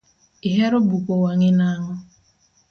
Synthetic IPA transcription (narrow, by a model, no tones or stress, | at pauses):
iɦeɾʊbukʷowaŋɪnaɦʊ